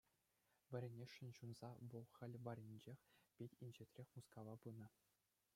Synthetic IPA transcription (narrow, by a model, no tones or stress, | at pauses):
ʋʲɘ̆ɾʲenʲeʂːɘ̆nʲɕunz̥ɑʋɤ̆lˠxʲɘ̆lʲʋɑɾʲinʲd͡ʑexʲpʲetʲinʲʑɘ̆tʲrʲexʲmuskɑʋɑbɯnɤ̆